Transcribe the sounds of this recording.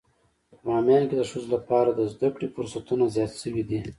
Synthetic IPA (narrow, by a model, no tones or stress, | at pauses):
mɑːmjɑnked̪əʂuzlapɑːɾad̪əzd̪akɽifʊɾsat̪unazjɑt̪ʃəwid̪i